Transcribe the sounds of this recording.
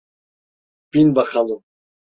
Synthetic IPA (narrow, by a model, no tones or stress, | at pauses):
pinbaxalu